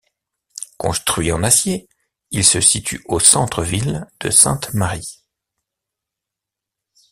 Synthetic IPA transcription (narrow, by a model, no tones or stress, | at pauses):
kɔ̰̃st̪χɥiɑ̃nasje | ilsəsit̪ʰyosɑ̃t̪χəvild̪̥ə̰sɛ̰̃t̪maʁi